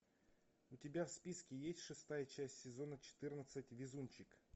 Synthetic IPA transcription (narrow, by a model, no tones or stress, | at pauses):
ʊtʲɪbʲafspʲiskʲɪjesʲtʲʂɨst̪ajət͡ɕæsʲtʲsʲɪzo̞nət͡ɕɪ̥t̪ɨrnət̪sətʲvʲɪzumʲt͡ɕɪk